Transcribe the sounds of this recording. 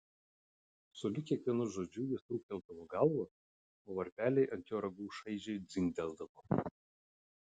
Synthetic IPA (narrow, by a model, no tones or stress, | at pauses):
solʲɪkʲiɛkʋʲiɛnʊʒoːd͡ʒʲuːjʲɪst̪ɾuːkʲɛlˠd̪ɐʋɔɡɐlˠʋɐ | oːʋɐɾʲpʲæːlʲɛɪʔɐnʲt̪ʲjoːɾɐɡuːʃɐɪʒʲɛɪd̪zʲɪŋɡd̪ʲɛlˠd̪ɐʋo